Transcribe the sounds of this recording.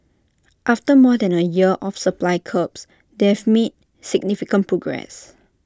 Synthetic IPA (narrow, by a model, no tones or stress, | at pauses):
ʔaftəmɔdɛ̃nəjiəʔɔfsəplajkʰəps | deɛvmet̚ | siɡ̚nifikə̃npɹɔɡɹɛ̰s